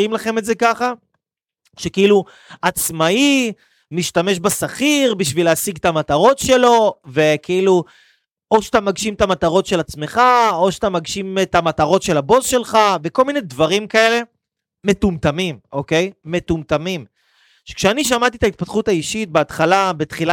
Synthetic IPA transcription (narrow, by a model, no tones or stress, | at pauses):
imlaχe̞meze̞kaχa | ʃekeilu | at͡smai | miʃt̪ame̞ʃbasaχiʁbiʃvileasiɡt̪amat̪aʁo̞tʃe̞lo̞ve̞kʰilu | o̞ʃat̪amaɡʃimt̪amat̪aʁo̞tʃe̞lat͡sme̞χaoʃt̪amaɡʃimet̪amat̪aʁo̞tʃe̞labo̞zʃe̞lχave̞ko̞lminedvaʁimkae̞le̞ | me̞t̪umt̪amimʔo̞ke̞jme̞t̪umt̪amim | ʃekʃeaniʃ̬amat̪it̪ait̪̚pat̪χut̪aiʃit̪̚beat̪χalabet̪χila